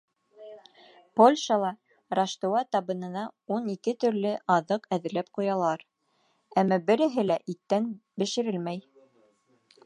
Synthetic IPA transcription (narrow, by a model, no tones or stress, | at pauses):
polʲʃɑlˠɑ | raʃt̪owɑt̪ɑβɤ̆nɤ̆nɑunikɘt̪ɵ̆ɾlɘʔɑðɤqæðɘ̆ɾlæp̚qujɑlˠɑɾ | æmːæbɘ̆ɾɘ̆ɦɘlæʔit̪ːænbɘ̆ʃɘ̆ɾɘlmæj